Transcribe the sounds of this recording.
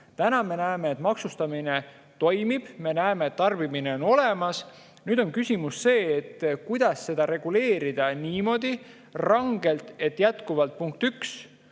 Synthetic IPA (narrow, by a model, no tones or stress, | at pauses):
t̪ænɑme̞næeme̞ːt̪mɑksust̪ɑmine | t̪o̞jmib̥me̞næeme̞ːt̪ːɑrbimine̞o̞no̞le̞mɑs | nyːd̪̥o̞nkysʲimusːe̞ːt̪ːkujd̪̥ɑsːe̞d̪̥ɑɾe̞ɡ̥ule̞ːɾid̪̥ɑniːmo̞ːd̪i | rɑŋɡe̞lt̪ˑe̞t̪ːˑjæt̪kuvɑlt̪̚puŋk̚t̪yks